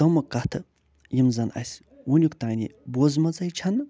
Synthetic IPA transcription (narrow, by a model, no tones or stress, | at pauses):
ɐmɐkat̪ʰɨ | jimzɐnɐ̰sʲ | wunʲukt̪aːnʲibozmɐt͡sɐjt͡ʃʰan